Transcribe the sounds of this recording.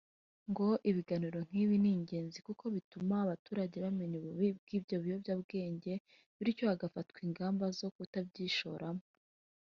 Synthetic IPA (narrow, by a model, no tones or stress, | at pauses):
ŋɡo̞ʔiβiɡaniɾo̞ŋ̥iβiniːɲɟe̞ːnzikuko̞βitumaːβatuːɾaɟe̞βame̞ɲuβuβib̚ɡ̥iːbɟo̞βijo̞bjabɡe̞ːɲɟe̞ | βiɾico̞aɡafatkwiːŋɡaːmbazo̞kutab̚ɟiːʃo̞ːɾamo